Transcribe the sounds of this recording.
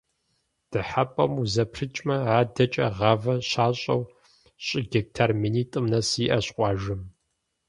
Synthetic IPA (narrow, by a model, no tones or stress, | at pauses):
d̥ɨħapʼɐmuzɐpʰrɨt͡ʃʼmɐʕaːdɐt͡ʃʼɐʁɐvɐɕaːɕʼɐ̰w | ɕʼɪɡʲɐk̚tʰɐrminiːtʼɨmnɐsiːʔɐɕqʷʼɑːʒɨm